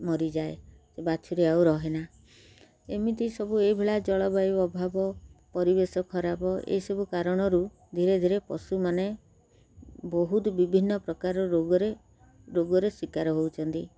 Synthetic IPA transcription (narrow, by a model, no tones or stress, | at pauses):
mɔɾid͡ʒae | sebat͡ʃʰuɾeauɾɔɦena | emit̪isɔbueibʱeɭad͡ʒɔɭɔbajɔbʱabɔpɔɾibesɔkʰɔɾabɔʔḛisɔbukaɾɔɽ̃ɔɾu | d̪ʱiɾed̪ʱiɾepɔ̰sumane | bɔɦut̪ɔbibʱinːɔpɾɔkaɾɔɾoɡɔɾe | ɾoɡɔɾeswikaɾɔɦowt͡ʃʰɔnt̪i